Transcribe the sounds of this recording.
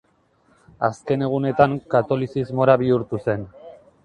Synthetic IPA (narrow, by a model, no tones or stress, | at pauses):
aske̞ne̞ɣ̞une̞t̪aŋkat̪o̞lisizmo̞ɾaβiuɾt̪use̞n